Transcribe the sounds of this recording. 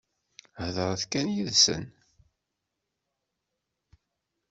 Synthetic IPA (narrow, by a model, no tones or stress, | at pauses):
hðəɾˤθkænjiðsə̰n